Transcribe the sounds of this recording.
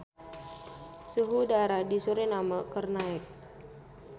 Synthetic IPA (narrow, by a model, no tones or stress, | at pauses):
suɦudaɾadisuɾenamakərnaɛk̚